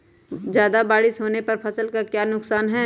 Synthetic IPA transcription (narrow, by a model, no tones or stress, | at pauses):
d͡ʒjaːd̪abaːɽɪʃɦoːnepɐɾpʰɐsəlkakjaːnʊksaːnɦɛː